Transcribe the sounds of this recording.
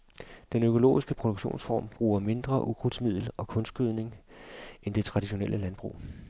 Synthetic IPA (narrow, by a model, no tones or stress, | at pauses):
d̥enøkʰo̝lo̝̰ːisɡ̥əpʰʁo̝d̥oɡ̥ɕo̝̰ːnsfɒ̰ːmb̥ʁuːɐme̝nd̥ʁɐʔuɡ̥ʰʁud̥smið̞̰ˠl̩ɒ̽kʰɔ̽nsɡ̥yð̞̰ˠne̝ŋʔend̥e̝t͡sʰʁɑ̈d̥iɕo̝nelʔəlænb̥ʁṵː